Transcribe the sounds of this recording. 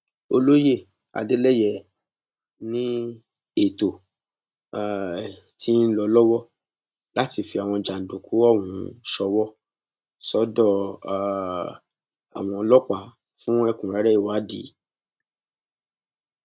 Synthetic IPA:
o˧lo˦je˦˨ | a̰˨de˦lɛ˦jɛ˦˨ | nĩ˦ | e˦˨to˨ | ti˦n̩˦lɔ˧lɔ˦wɔ˦ | la˦ti˧fi˧a˨w̃ɔ̃˧d͡ʒa˨n̩˨dũ˨ku˨˦ɔ˦˨wũ˨˧ʃɔ˧wɔ˦ | sɔ˨˦dɔ˦˧˨ | a̰˨w̃ɔ̃˧lɔ˦k͡pa˨˦ | fũ˦ɛ˦˧kũ˨ɾɛ˨˦ɾɛ˦i˦˨wa˨˦di˨˦

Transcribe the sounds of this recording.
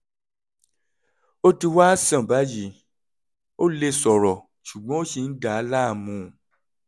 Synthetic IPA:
o˦ti˧wa˦sã˦˨ba˨˦ji˨ | o˦le˧sɔ˨ɾɔ˨ | ʃu˨ɡ͡bɔ̃˨˦o˦ʃi˧n̩˦da˨a˧˦la˦˨mũ˧˨

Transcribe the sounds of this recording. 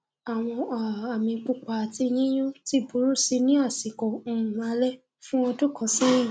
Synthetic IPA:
a˨w̃ɔ̃˧˨a˨mĩ˧k͡pu˦˨k͡pa˨ti˧jĩ˦j̃ũ˦ti˦˨bu˨˦ɾu˦si˧nĩ˦a˦˨si˨kɔ̃˨˦˨a˧lɛ˦ | fũ˦ɔ̃˧du˦kã˨˧˦sĩ˦jĩ˦˨

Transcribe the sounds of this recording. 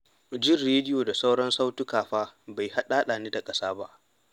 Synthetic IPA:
d͡ʒɪ˦˨rɽeː˦dɪ˦joː˨da˨sa˦wɽɐ˦nsa˦wtʊ˦kaː˨ɸaː˦ba˨jha˦ɗaː˦ɗaː˨neː˦da˨kʼɐ˦saː˦ba˦ʔ

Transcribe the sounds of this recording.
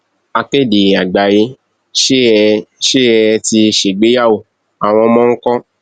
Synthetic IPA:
a˧ke˦˨di˨a˨ɡ͡ba˨je˧˦ | ʃe˦ʃe˦ɛ˧ti˧ʃe˨ɡ͡be˨˦ja˦wo˦˨ | a˨w̃ɔ̃˧mɔ̃˦ŋ̩˦kɔ̃˦

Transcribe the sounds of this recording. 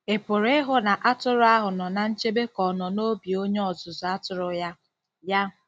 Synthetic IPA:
e˨pʊ˨ɾe˦ɦʊ˦na˨ʔa˦tʊ˦ɾʊ˦a˦ɦʊ˨nɔ˨na˨n̩˦t͡ʃe˦be˦kɔ˨nɔ˨no˦bi˨o˦ɲe˦ɔ˨zʊ˨zʊ˨a˦tʊ˨ɾʊ˨ja˦ | ja˦

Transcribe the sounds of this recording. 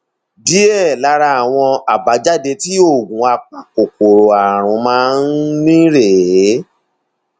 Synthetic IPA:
di˦ɛ˦˨la˧˦ɾa˧a˨w̃ɔ̃˧a˨ba˨˦d͡ʒa˦de˧ti˦o˦˨ɡũ˨˦a˧k͡pã˨o˨ko˨ɾo˨a˨ɾ̃ũ˨˦mãː˦n̩˦nĩ˦ɾe˨˦

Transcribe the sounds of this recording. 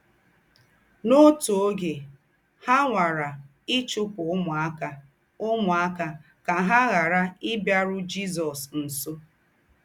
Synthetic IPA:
no˦to˨o˦ɡe˨ | ha˦ŋʷa˨ɾa˨ | ɪ˦t͡ʃʊ˦kʊ˨˦mʊ˨a˦ka˦ | ʊ˦mʊ˨a˦ka˦ | ka˨ɦa˦ɣa˨ɾa˦ɪ˦bja˦ɾʊ˦d͡ʒi˦zɔ˨sn̩˨so˦

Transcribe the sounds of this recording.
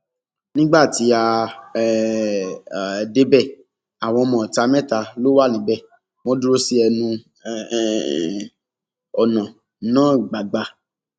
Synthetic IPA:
nĩ˦ɡ͡ba˦˨ti˨˦a˧˨ | de˦bɛ˦˨ | a˨w̃ɔ̃˧ɔ˧mɔ̃˨ta˧mɛ̃˦ta˧lo˦wa˦˨nĩ˨˦bɛ˦˨ | w̃ɔ̃˧˦du˦ɾo˦si˦ɛ˧nũ˧ | ɔ˨nã˨ | nãː˦˨ɡ͡ba˨ɡ͡ba˧

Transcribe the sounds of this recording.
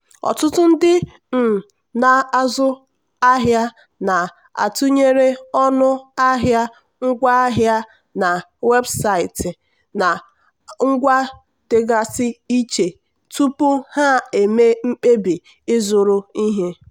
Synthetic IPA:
ɔ̰˨tʊ˦tʊ˦n̩˦dɪ˦ | m̩˨ | na˨a˦zʊ˦ | a˦ɦja˦ | na˨ | a̰˨tu˦ɲe˦ɾe˦ɔ˦nʊ˦a˦ɦja˦ | ŋ̩˦ɡʷa˦a˦ɦja˦ | na˨ | we˦bsa˨ɪ˨tɪ˨ | na˨ | ŋ̩˦ɡʷa˦ | d̥e˨ɡa˨sɪ˦i˦t͡ʃe˨ | tu˦pʊ˦ha˦e˨me˦ŋ͡m̩˦k͡pe˦bi˨ | ɪ˦zʊ˨ɾʊ˦i˦ɦe˦

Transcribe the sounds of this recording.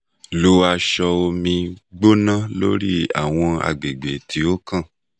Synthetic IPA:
lo˧a˧ʃɔ˧o˧mĩ˧ɡ͡bo˦nã˦lo˦ɾi˦a̰˨w̃ɔ̃˧a̰˧˨ɡ͡be˨ɡ͡be˨tʰi˧o˦kã˦˨

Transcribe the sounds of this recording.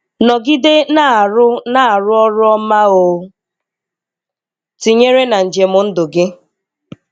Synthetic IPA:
nɔ˨ɡɪ˦de˦na˦˨ɾʊ˦na˦a˨ɾʊ˦ɔ˦ɾʊ˦ɔ˦ma˦o˨ | ti˨ɲe˦ɾe˦na˨n̩˨d͡ʒe˨mʊ˦n̩˦dʊ˨ɡɪ˦

